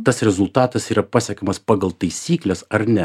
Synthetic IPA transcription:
t̪ɐsɾʲɛzʊlˠt̪ɑːt̪ɐsiːɾɐpɑːsʲɛkʲomɐspɑːɡɐlˠt̪ɐɪsʲiːklʲɛsɐɾnʲɛ

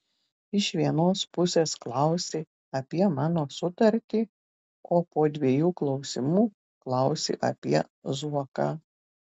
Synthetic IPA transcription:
ɪʃʋʲiɛnoːspʊsʲeːsklˠɑʊsʲɪ | ɐpʲiɛmɑːnoːsʊt̪ɐɾʲt̪ʲiː | oːpoːd̪ʲʋʲiɛjuːklˠɒʊsʲɪmuː | klˠɐʊsʲɪ̰ʔɐ̰pʲiɛ | zuɔkɑ

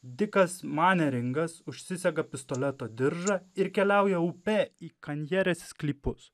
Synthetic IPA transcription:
d̪ʲɪkɐsmɑːnʲɛɾʲɪŋɡɐsʊʃʲsʲɪsʲɛɡɐpʲɪst̪olʲɛt̪oːd̪ʲɪɾʒɐɪɾkʲɛlʲæˑʊjɛʊpʲɛiːkɐnʲjɛɾʲɛːssklʲiːpʊs

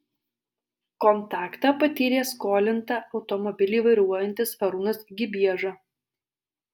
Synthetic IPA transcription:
kɔnt̪ɑːkt̪ɑpɐt̪ʲiːɾʲeːskoːlʲɪnt̪ɑɐʊt̪ɔmɔbʲɪlʲiːʋɐɪɾuɔjɛnʲt̪ʲɪsfɐɾuːnɐsɡʲɪbʲiɛʒɑ

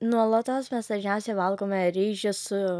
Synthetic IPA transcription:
nuɔlˠot̪oːsmʲɛsd̪ɐʒʲnʲɛʊsʲɛɪʋɐlˠkoːmʲɛɾʲiːʒʲɪsʊ

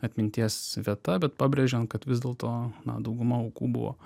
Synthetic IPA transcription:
ɐt̪ʲmʲɪnʲt̪ʲiɛsʋʲiɛt̪ɐbʲɛt̪pɑːbʲɾʲeːʒʲɛnkɐt̪ʋʲɪzd̪ʲeːlˠt̪oːnɐ̰d̪ɐʊɡʊmɐɐʊkṵːbʊ̰ʋo̰

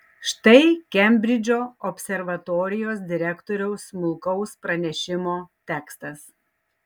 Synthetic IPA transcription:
ʃt̪ɐɪkʲɛmʲbʲɾʲɪd͡ʒʲoːɔpʲsʲɛɾʋɐt̪oːɾʲɪjoːs̬d̪ʲɪɾʲækt̪oːɾʲɛʊsmʊlˠkɐʊspɾɐnʲɛʃʲɪmoːt̪ʲæːkst̪ɐs

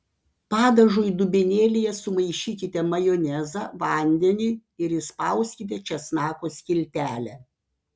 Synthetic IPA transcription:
pɑːd̪ɐʒʊjd̪ʊbʲɪnʲeːlʲɪjɛsʊmɐɪʃʲiːkʲɪt̪ʲɛmɐjɔnʲɛzɑːʋɐˑnʲd̪ʲɛnʲɪɪɾɪspɐˑʊsʲkʲɪt̪ʲɛt͡ʃʲɛsnɑːkoːsʲkʲɪlʲt̪ʲæːlʲɛ

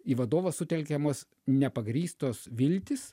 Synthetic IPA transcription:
iːʋɐd̪oːʋɐssʊt̪ʲɛlʲkʲɛmoːs | nʲɛpɐɡɾʲiːst̪oːsʋʲɪlʲt̪ʲɪs

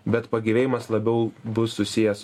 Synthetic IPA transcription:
bʲɛt̪pɐɡʲiʋʲeːjɪmɐslˠɐbʲɛʊbʊsːʊsʲɪjɛs

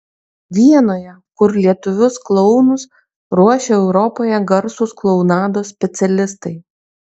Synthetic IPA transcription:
ʋʲiɛnoːjɛ | kʊɾlʲiɛt̪ʊʋʲʊsklˠɔʊnʊs | ɾuɔʃʲeɛʊɾɔpoːjɛɡɐɾsʊsklˠɒʊnɑːd̪oːsʲpʲɛt̪sʲɛlʲɪst̪ɐɪ

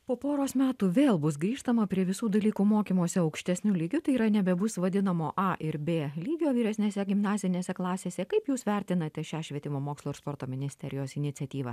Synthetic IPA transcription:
poːpoːɾoːsmʲæːt̪uːʋʲeːlˠbʊsɡɾʲiːʃt̪ɐmɐpʲɾʲiɛʋʲɪsuːd̪ɐlʲiːkuːmoːkʲiːmoːsʲɛɐʊkʃʲt̪ʲɛsʲnʲulʲiːɡʲʊt̪ɐɪiːɾɐnʲɛbʲɛbʊsʋɐd̪ʲɪnɐmoːʔɑʔɪɾbʲeːlʲiːɡʲoːʋʲiːɾʲɛsʲnʲeːsʲɛɡʲɪmnɑːzʲɪnʲeːsʲɛklˠɑːsʲeːsʲɛkɐɪpjuːsʋʲɛɾʲt̪ʲɪnɐt̪ʲɛʃʲæːʃʲʋʲiɛt̪ʲɪmoːmoːkslˠoːɪɾspoːɾt̪oːmʲɪnʲɪsʲt̪ʲɛɾʲɪjoːsɪnʲɪt̪sʲɛt̪ʲiːʋɐ

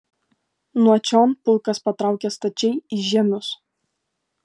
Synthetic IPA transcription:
nuɔt͡ʃʲɔːnpʊlˠkɐspɐt̪ɾɑˑʊkʲɛst̪ɐt͡ʃʲɛɪɪʒʲɛmʲʊs

